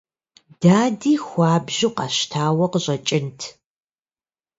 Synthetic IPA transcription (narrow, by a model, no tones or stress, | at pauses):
d̥aːdiːxʷɑːbʒɪqɑɕtʰaːwɐqəɕʼɐt͡ʃʼɪntʰ